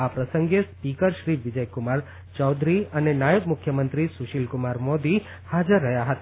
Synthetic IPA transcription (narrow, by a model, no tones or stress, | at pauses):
apɾəsəŋɡespikəɾʃɾiʋɪd͡ʒəjkʊmaɾ | t͡ʃɔwd̪ʱɾiənenajəbmʊkʰjəmənt̪ɾisuʃilkʊmaɾmod̪i | had͡ʒəɾːəɦjaɦət̪a